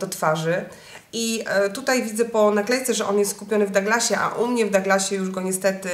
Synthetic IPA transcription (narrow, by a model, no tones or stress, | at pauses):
d̪̥ɔt̪faʐɘ | it̪ut̪ajvʲid̪zɛpɔnaklɛjt̪sɛʐɛʔɔnjɛst̪skupʲjɔnɘvd̪aɡlaɕɛʔa̰ʔumɲɛvd̪aɡlaɕɛjuʐɡɔɲɛst̪ɛt̪ɘ